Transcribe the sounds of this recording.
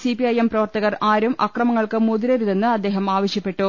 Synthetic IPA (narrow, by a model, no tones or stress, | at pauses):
sipiɐjemprɐʋɐrt̪ɐɣɐraːɾumʔɐkkrɐmɐŋːɐɭkɨmuðiɾɐɾuðenːɨɐd̪ːe̞ːɦɐmaːʋɐɕjɐpːe̞ʈːu